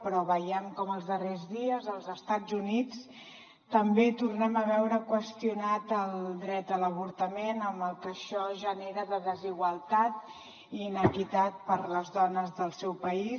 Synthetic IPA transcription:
pɾɔβəjɛmkɔməlˠzðərezðiəzəlˠzəst̪ad͡zunit͡s | t̪əmbet̪urnɛməβɛwɾəkwəst̪iunat̪əlˠd̪ɾɛt̪ələβ̞uɾt̪əmenəmbəlˠkəʃɔʒəneɾəðəðəziɣwəlˠt̪at̪ | iːnəkit̪at̪̚pəɾləzðɔnəzðəlˠsɛwpəi

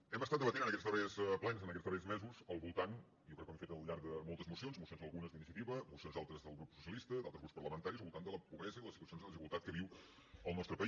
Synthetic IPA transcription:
ɛməst̪at̪əβət̪enənəkɛst̪ɔɾeəsplɛnəzənəkɛtt͡st̪ɔɾɛzmɛzuzəlˠβulˠt̪an | ɔokɾɛkːɛmfet̪əlʎːaɾðəmolˠt̪əzmusionzmusionzəlˠɣunəzðəinisiət̪iβəmusionzðalˠt̪ɾəzðəlˠɣɾupsusiəlist̪əd̪alt̪əzɾupspəɾləmənt̪aɾizəlˠβulˠt̪and̪ələpuβɾɛzəiðləsit̪uəsionzðəlðiʒiwəlˠt̪at̪̚kəβiw | əlˠnɔt̪ɾəpə

